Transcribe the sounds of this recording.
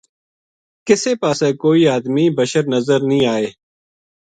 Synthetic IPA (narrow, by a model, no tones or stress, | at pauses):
kɪseːpaːsẽːkoːiːaːd̪miːbəʃəɾnəzəɾnĩːaːeː